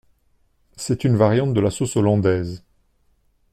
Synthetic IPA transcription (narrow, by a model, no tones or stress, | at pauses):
sɛt̪ynvaʁjɑ̃t̪̚d̪əlasosɔlɑ̃d̪ɛz